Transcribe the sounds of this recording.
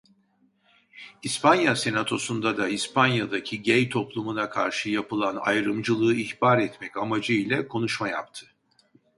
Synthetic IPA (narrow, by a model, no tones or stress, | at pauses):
ispanjase̞nat̪ʰo̞sund̪ad̪aispʰanjad̪acʰiɟɛjt̪ʰo̞plˠumunakʰa̰ɾʃɯjapʰɯlˠana̰jɾɯmd͡ʒɯlˠɯːihbaːɾɛt̪mɛcamad͡ʒɯilʲɛkʰo̞nuʃmaja̰p̚t̪ʰɯ̥